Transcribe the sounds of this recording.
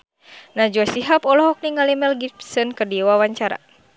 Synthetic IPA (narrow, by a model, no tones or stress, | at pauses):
nad͡ʒuasiɦapɔlɔɦɔk̚niŋalimɛlɡipsɔnkərdiwawaɲt͡ʃaɾa̰